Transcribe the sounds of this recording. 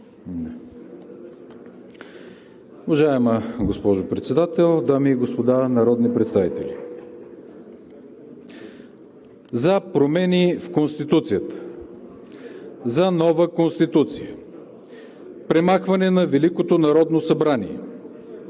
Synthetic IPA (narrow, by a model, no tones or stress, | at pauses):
uvɐʒaɛməɡospɔʒopɾɛt̪sɛd̪at̪ɛlˠd̪amiːɡospod̪anɐɾɔd̪nipɾɛt̪st̪avit̪ɛ̰lʲi | zɐpɾomɛnifkonst̪it̪ut̪sijət̪ə̥ | zɐnɔvəkonst̪it̪ut̪sijə | pɾɛmaxvɐnɛnɐvɛlikot̪onɐɾɔd̪nosɐbɾaniɛ̰